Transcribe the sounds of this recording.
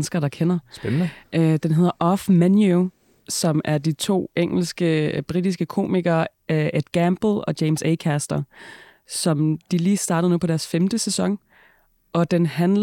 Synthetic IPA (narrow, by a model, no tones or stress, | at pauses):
nəsɡ̥ɐɾ̥ɑ̈kʰenɐsnəʔd̥enɦe̝ð̰ˠɐʔɒfmænjo | sɒ̽mæɐd̥it͡sʰo̝̰ːʔeŋ̰l̩sɡ̥əb̥ʁid̥isɡ̥əkʰo̝̰ːmiɡ̥ɐː | ʔed̥ɡ̥æmb̥l̩ˠɒ̽d̥jeɪmseɪkʰæsd̥ɐ | sɒ̽md̥iliːsd̥ɑ̈ːd̥əð̩ˠnupʰɒ̽ɾ̥æɐsfemd̥əsesɒ̽ŋ | ʔɒ̽d̥enɦænl